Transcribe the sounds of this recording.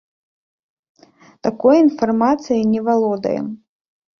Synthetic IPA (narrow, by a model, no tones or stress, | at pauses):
t̪akɔjinfarmat̪sɨjinʲɛvalˠɔd̪ɐ̰jɛ̰m